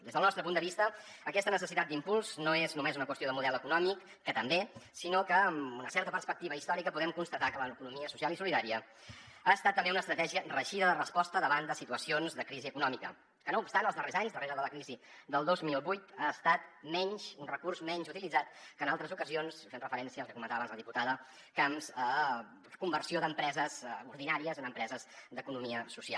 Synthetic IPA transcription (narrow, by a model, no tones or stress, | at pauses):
d̪ezðəlˠnɔst̪ɾəp̬und̪əβist̪ə | əkɛst̪ənəsəsit̪at̪d̪impulˠznoeznumezunəkwəsioðəmuðɛləkunɔmikːət̪əmbesinokəːmunəsɛɾt̪əpəɾspək̚t̪iβəist̪ɔɾikəpuðɛmkunst̪ət̪akələkunumiəsusialˠisuliðaɾiə | aəst̪at̪ːəmbeunəst̪ɾət̪ɛʒiərəʃiðəðərəspɔst̪əðəβand̪əsit̪uəsionzðəkɾiziəkunɔmikə̰ | kənoupst̪anəlˠzðərezaɲzd̪əreɾəðələkɾizi | d̪əlˠd̪ozmilˠβujt̪aːst̪at̪mɛɲʃunrəkursmɛɲzut̪ilidd͡zat̪kəːnalˠt̪ɾəzukəzionsfenrəfəɾɛnsiəlˠkəkumənt̪aβanzləðiput̪aðə | kamzə | kumbərsioðəmpɾɛzəzuɾðinaɾiəzənəmpɾɛzəzd̪əkunumiəsusia̰lˠ